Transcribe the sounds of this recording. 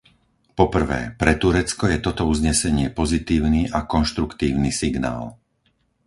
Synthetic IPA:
pɔpr̩ʋɛ̰ːpɾɛt̪uɾɛt͡skɔjɛt̪ɔt̪ɔuzɲɛsɛɲɪɛpɔzit̪iːʊniʔakɔnʃt̪ɾukt̪iːʊnisiɡna̰ːl

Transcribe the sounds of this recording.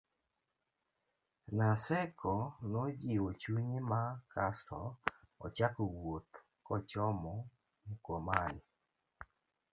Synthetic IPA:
nasɛkʰɔnɔd͡ʒɪot͡ʃuɲimakastɔɔt͡ʃakowot̪ | kɔt͡ʃɔmɔ | mukwomanɪ

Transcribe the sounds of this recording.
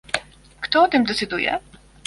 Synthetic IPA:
kt̪ɔɔt̪ɘmd̪ɛt̪sɨd̪ujɛ̰

